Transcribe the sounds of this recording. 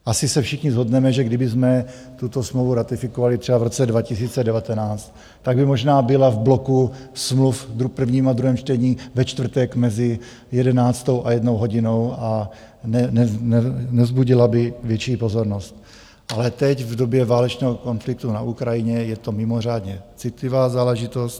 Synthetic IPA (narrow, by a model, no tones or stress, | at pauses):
ʔasɪsɛfʃɪxɲɪzɦo̞dnɛmɛʒɛɡdɪbɪzmɛ | t̪ut̪o̞smlovuɾat̪ɪfɪkovalɪt̪r̥ɛbavɾot͡sɛdvacɪsiːt͡sɛdɛvat̪ɛnaːt͡st̪ | t̪ːaɡbɪmo̞ʒnaːbɪlavblokusmlufd̪ɾupr̩vɲiːmad̪ɾuɦɛːmt͡ʃt̪ɛɲiːvɛt͡ʃt̪vr̩t̪ɛkmɛzɪ | jɛdɛnaːt͡st̪o̞wʔajɛdnowɦo̞ɟɪno̞wa | nɛnɛnɛnɛzbuɟɪlabɪvjɛt͡ʃiːpo̞zo̞ɾnost̪̚ | ʔalɛt̪ɛcvdobjɛvaːlɛt͡ʃnɛːɦoko̞nflɪkt̪una̰ʔukɾajɪɲɛjɛt̪o̞mɪmor̝aːdɲɛt͡sɪt̪lɪvaːzaːlɛʒɪt̪o̞st̪